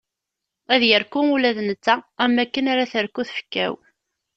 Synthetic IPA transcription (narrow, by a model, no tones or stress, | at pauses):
æðjəɾkumulæðnət͡sːaæmːækːənaɾaθəɾkuθfə̥kːæ̰w